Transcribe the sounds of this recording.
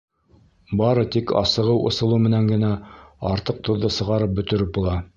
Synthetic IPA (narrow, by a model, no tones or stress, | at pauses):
bɑɾɤt̪ikɑ̰sɤ̆ʁɤwʔŏ̰sɤ̆lˠumɘ̆næŋɡɘ̆næɑɾt̪ɤq̚t̪ʰŏðːɤsɤ̆ʁɑɾɤp̚bɵ̆t̪ɵ̆ɾɘp̚bulˠɑ